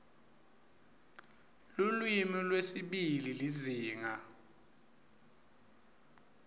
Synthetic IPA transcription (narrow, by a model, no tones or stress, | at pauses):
lulwimilwesiɓililiziːŋa